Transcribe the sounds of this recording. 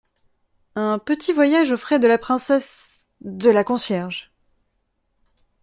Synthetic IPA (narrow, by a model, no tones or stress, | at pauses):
ɛ̃pət̪ʰivwajaʒofχɛd̪əlapχɛ̃sɛs | d̪əlakɔ̃sjɛʁʒ